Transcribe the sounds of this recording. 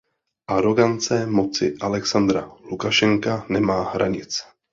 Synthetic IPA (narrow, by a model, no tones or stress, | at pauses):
ʔaɾo̞ɡant͡sɛmo̞t͡sɪʔalɛksand̪ɾalukaʃɛŋkanɛmaːɦɾa̰ɲɪt͡s